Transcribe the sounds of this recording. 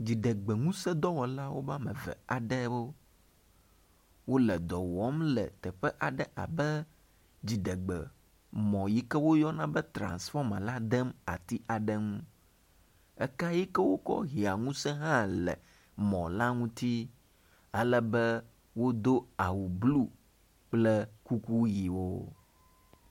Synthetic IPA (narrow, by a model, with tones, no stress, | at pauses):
d͡ʑi˨ɖɛ˨ɡ͡bɛ˨ŋũ˦sɛ˦d̪ɔ˦wɔ˨la˦wo˦va˦mɛ̃˨vɛ̰˨a˨ɖɛ˦wo˦ | wo˦lɛ˨d̪ɔ˨wɔ˨˦mlɛ˨t̪ɛ˨ɸɛ˦ʔa˨ɖɛ˦ʔa̰˨bɛ˦ | d͡ʑi˨ɖɛ˨ɡ͡bɛ˨ | mɔ̃˨ji˦kɛ˦wo˦jɔ˦nã˦bɛ˦t̪ɾã̰˨nsfɔ˦mɛ̰̃˨la˦d̪ɛ˦ma̰˨t̪i˦ʔa˨ɖə˦ŋũ˦ | ɛ˦ka˦ji˦kə˦wo˦kɔ̰˦ɦi˨a˨ŋũ˦sɛ˦ɦã˦lə̰˨ | mɔ̃˨la˦ŋũ˦t̪i˦ | ə˦lə˦bə˦ | wo˦d̪o˦a˨wu˨blu˦ | k͡plə˦ku˦ku˦ji˨wo˦